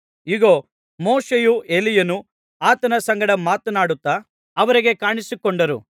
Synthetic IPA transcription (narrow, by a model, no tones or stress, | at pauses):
iɡoː | moːʂejue̞lijɐnu | aːt̪ɐnɐsɐŋɡɐɽɐmaːt̪ɐnaːɽut̪ːa | ɐʋɐɾiɡe̞kaːɳisikɔɳɖɐɾṵ